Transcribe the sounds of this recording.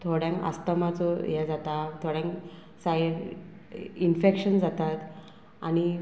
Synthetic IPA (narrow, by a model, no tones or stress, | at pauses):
t̪ʰoɽjãŋkə̰st̪əmat͡sɔjɛd͡zat̪at̪ʰoɽjãŋk | sajɾ | infekɕənd͡zat̪at̪ | a̰ñi